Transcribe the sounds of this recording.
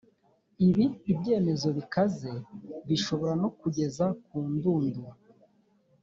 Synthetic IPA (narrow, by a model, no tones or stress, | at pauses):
iβiːbɟe̞ːme̞zo̞βikaze̞βiʃo̞βo̞ɾano̞kuɟe̞zak̚uːnduːnduɾ